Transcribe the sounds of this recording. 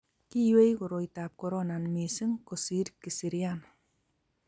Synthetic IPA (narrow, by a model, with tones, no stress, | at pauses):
ki˦jwe˦jkʊ˨ɾo˨itap̚kɔɾɔnanmi˨si˦ŋkosi˦ɾki˨si˨ɾian